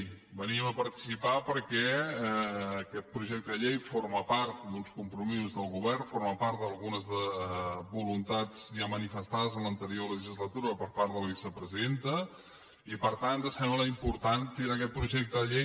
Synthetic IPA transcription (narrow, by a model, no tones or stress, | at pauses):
bəniəməpəɾt̪i̥sipapəɾkɛː | kɛt̪̚pɾuʒɛk̚t̪əʎejfoɾməpaɾt̪d̪unskumpɾumizuzðəlˠɣuβɛrnfoɾməpaɾt̪̚d̪əlˠɣunəzðəbulunt̪ad͡zʒamənifəst̪aðəzənlənt̪əɾiolələʒizlət̪uɾəpəɾpaɾt̪ðələβisəpɾəziðent̪ə | ipəɾt̪ant̪d̪əsɛmələimpuɾt̪ant̪iɾakɛt̪̚pɾuʒɛk̚t̪əʎej